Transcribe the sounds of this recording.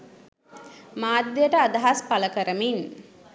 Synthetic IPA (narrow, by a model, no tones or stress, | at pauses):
maːd̪ːejəʈəad̪aɦaspaləkəɾəmin